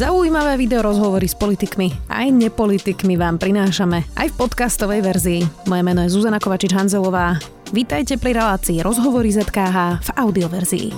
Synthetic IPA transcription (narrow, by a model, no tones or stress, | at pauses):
zauiːmaʋɛːʋid̪ɛɔɾɔzɦɔʋɔɾispɔlit̪ikmia̰jɲɛpɔlit̪ikmiʋaːmpɾinaːʃamɛa̰jfpɔt̪kast̪ɔʋɛjʋɛɾziːmɔjɛmɛnɔjɛzuzanakɔʋat͡ʃid͡ʒɦanzɛlɔʋaː | ʋit̪ajcɛpɾiɾɛlaːt͡siːɾʔɔzɦɔʋɔɾizɛt̪kaːɦaːv̥aʊd̪iɔʋɛɾzḭḭ